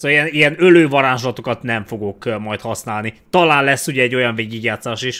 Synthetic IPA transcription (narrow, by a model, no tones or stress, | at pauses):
soːijɛnijɛnøløːvɒɾaːʒlɒt̪okɒt̪nɛɱfo̞ɡo̞kmɒjt̪hɒsnaːlnit̪ɒlaːnlɛsːuɟɛɛɟːo̞jɒɱveːɡiɡjaːt̪saːʃiʃ